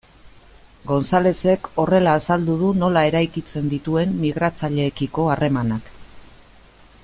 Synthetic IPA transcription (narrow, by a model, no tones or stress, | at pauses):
ɡo̞nsale̞se̞ko̞re̞laːsald̪uð̞uno̞lae̞ɾajkit͡se̞nd̪it̪ue̞mːiɣ̞ɾat͡saʎe̞ːkiko̞are̞manak